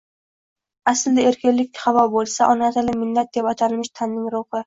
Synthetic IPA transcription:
asɪld̪aeɾkʲɪnlːɪk̪ʲχavɒbolˠsaʔɒnasalɪmɪlːat̪̚d̪epat̪ʰalmɪʃt̪ʰanːɪŋɾʊhɪ

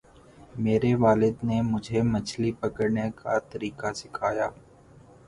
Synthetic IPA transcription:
meːɾeʋaːlɪd̪nemʊd͡ʒʱemət͡ʃʰlipəkəɽnekat̪ɐɾiːkasɪkʰaːjaː

